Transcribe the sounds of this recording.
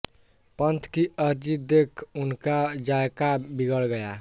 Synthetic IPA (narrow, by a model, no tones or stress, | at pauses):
pənt̪ʰkiəɾd͡ʒid̪ekʰunkad͡ʒaekabiɡəlɡəja